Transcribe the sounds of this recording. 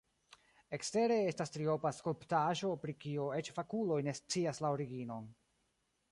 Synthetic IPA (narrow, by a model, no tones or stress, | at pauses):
e̞kste̞ɾe̞e̞stastɾio̞paskolptaʒo̞pɾikioe̞t͡ʃfakulo̞jne̞st͡siaslaoɾiɡino̞n